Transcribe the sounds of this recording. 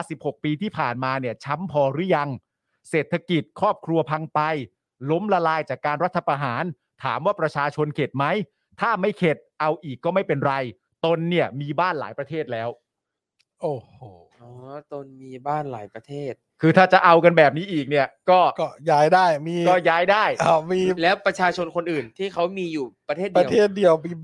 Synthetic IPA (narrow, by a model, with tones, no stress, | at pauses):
a˥˩si˨˩p̚ho˨˩k̚piː˧t̪ʰiː˥˩pʰaː˨˩nmaː˧ni˥˩ɐt͡ɕʰa˦˥mpʰɔː˧ɾɯ˦˥ja˧ŋ | seː˨˩t̪ʰːa˧ki˨˩t̪̚kʰɾɔː˥˩p̚kʰɾu˧ɐpʰa˧ŋpa˧j | lo˦˥mla˧laː˧jt͡ɕaː˨˩kːaː˧nɾa˦˥t̪ʰːa˧pɾa˧ɦaː˩˦n | t̪ʰa̰ː˩˦mwaː˥˩pɾa˧t͡ɕʰaː˧t͡ɕʰo˧nkʰe˨˩t̪̚ma˦˥j | t̪ʰaː˥˩ma˥˩jkʰe˨˩t̪̚ʔa˧wʔiː˨˩kːɔː˥˩ma˥˩jpe˧nɾa˧j | t̪o˧nːi˥˩ɐmiː˧baː˥˩nla̰ː˩˦jpɾa˧t̪ʰeː˥˩t̪̚lɛː˦˥w | ʔoː˨˩hoː˧˩ | ɔː˦t̪o˧nmiː˧baː˥˩nla̰ː˩˦jpɾa˧t̪ʰeː˥˩t̪̚kʰɯː˧t̪ʰaː˥˩t͡ɕa˨˩ʔa˧wka˧nbɛː˨˩p̚niː˦˥ʔiː˨˩k̚ni˥˩ɐkɔː˥˩kɔː˥˩jaː˦˥jdaː˥˩jmiː˧kɔː˥˩jaː˦˥jdaː˥˩jmiː˧lɛː˦˥wpɾa˧t͡ɕʰaː˧t͡ɕʰo˧nkʰo˧nʔɯː˨˩nt̪ʰiː˥˩kʰa˦˥wmiː˧juː˨˩pɾa˧t̪ʰeː˥˩a˧t̪ʰeː˥˩t̪̚di˧ɐwmi˧